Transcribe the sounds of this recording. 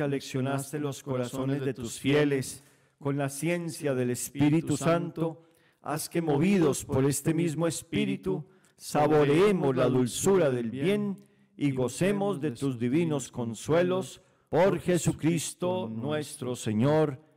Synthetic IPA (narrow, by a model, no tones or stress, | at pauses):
aleksjo̞nast̪elo̞sko̞ɾasonezðe̞t̪usfje̞le̞s | ko̞nlasje̞nsjaðe̞le̞spiɾit̪usant̪o | a̰skemoβiðospo̞ɾe̞st̪emizmoespiɾit̪u | saβo̞ɾeemozlaðulsuɾaðe̞lβje̞n | iɣo̞se̞mo̞zðe̞t̪uzd̪iβino̞sko̞nswe̞lo̞s | po̞ɾxe̞sukɾist̪onwe̞st̪ɾoseɲoɾ